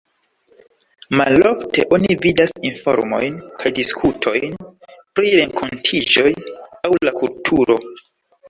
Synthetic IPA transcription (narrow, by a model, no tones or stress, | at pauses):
malo̞ftʰe̞̰ʔo̞nividasinfo̞̰ɾmo̞̰jnkʰajdiskʰutʰo̞̰jnpɾiɾe̞ŋkʰo̞ntʰid͡ʒo̞jawlakultʰuɾo̞